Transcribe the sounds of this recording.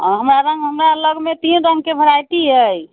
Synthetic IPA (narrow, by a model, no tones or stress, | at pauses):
ɦəmɾaɾə̃ŋɡɦəmɾaləɡmet̪inɾəŋɡkebʱəɾajt̪iɦəj